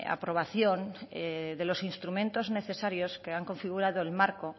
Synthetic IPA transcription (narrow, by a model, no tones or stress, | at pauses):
a̰pɾo̞β̞aθjoneðe̞lo̞sinst̪ɾumẽnt̪o̞zne̞θe̞saɾjoskeaŋko̞ɱfiɣ̞uɾað̞oelmaɾko